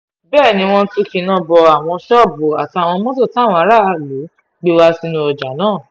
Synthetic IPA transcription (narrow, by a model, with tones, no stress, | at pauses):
bɛː˦˨nĩ˧w̃ɔ̃˧tu˦˧ki˧˦nã˦˨bɔ˧a˨w̃ɔ̃˧ʃɔ˦˨bu˨a˨ti˧a˨w̃ɔ̃˧mɔ̃˦to˦˨ta˦˨w̃ɔ̃˧a˨˦ɾa˦˨a˨lu˨˦ | ɡ͡bi˧wa˧si˧nũ˧˦ɔ˨d͡ʒa˨˦nãː˦˨